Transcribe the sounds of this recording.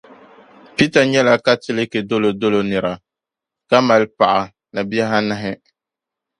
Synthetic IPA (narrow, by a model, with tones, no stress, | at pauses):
pi˦ta˨ɲɛ˦la˦ka˦tɪ˦lɪ˦ke˨do˦lo˨do˦lo˨nɨ˨ɾa˨ | ka˦ma˨lpa˨ʔa˨ | na˨bi˦a˦ɦa˦na˦ɦɪ˦